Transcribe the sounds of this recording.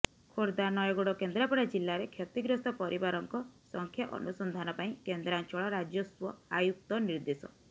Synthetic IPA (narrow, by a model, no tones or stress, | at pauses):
kʰoɾd̪anɔjɔɡoɽɔkend̪ɾapɔɽad͡ʒilːaɾekʰjɔt̪iɡɾɔst̪ɔpɔɾibaɾɔŋkɔsɔŋkʰjaʔɔ̰nusɔnd̪ʱanɔpaĩkend̪ɾant͡ʃɔɭɔɾad͡ʒjɔswɔajuk̚t̪ɔniɾd̪esɔ̰